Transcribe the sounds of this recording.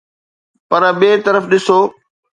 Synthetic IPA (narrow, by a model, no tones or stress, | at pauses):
pɐɾəɓeːt̪ɐɾəfɗɪsoː